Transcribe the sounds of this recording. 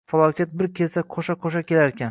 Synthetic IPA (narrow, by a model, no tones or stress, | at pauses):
falˠɒkʲat̪̚bɪɾkʲʰe̞lsaqʰoʃaqʰoʃakʲʰe̞laɾkʲan